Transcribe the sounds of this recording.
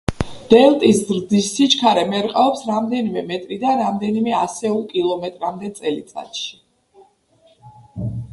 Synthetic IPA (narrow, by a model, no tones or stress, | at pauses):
d̪̥ɛlt̪ʼiszɾd̪isːit͡ʃʰkʰaɾɛmɛɾqʼaɔpsɾamd̪ɛnimɛmɛt̪ʼɾid̪anɾamd̪ɛnimɛasɛulˠkʼilˠɔmɛt̪ʼɾamd̪ɛt̪sʼɛlḭt̪sʼa̰t̪ʃi̥